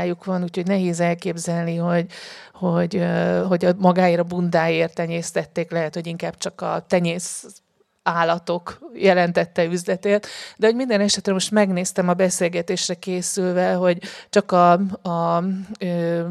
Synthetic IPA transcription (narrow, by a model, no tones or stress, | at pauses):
jukʋɒnuːcho̞ɟnɛɦeːzɛlkeːbzɛlniɦo̞ɟho̞ɟøɦo̞ɟɒmɒɡaːeːɾɒbund̪aːjeːrt̪ɛɲeːst̪ɛt̪ːeːklɛɦɛt̪ho̞ɟiŋkaːb̥̚t͡ʃɒkɒ̰t̪ɛɲeːs | aːlːɒt̪o̞kjɛlɛnt̪ɛt̪ːɛyzlɛt̪eːrt̪d̪ɛɦo̞ɟmind̪ɛnɛʃɛt̪ɾɛmo̞ʃt̪mɛɡneːst̪ɛmɒbɛseːlɡɛt̪eːʃrɛkeːsylvɛɦo̞ɟt͡ʃɒkɒɒø